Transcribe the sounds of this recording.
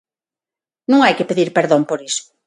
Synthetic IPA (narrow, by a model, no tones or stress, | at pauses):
nũŋajkɪpeðiɾpeɾðõmpoɾisʊ̥